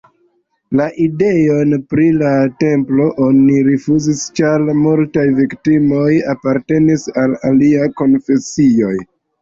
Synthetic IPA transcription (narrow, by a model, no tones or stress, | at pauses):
laʔide̞jo̞npɾilate̞mplo̞ʔo̞niɾifuzist͡ʃalmultajviktimo̞japaɾte̞nisalaliajko̞nfe̞sio̞j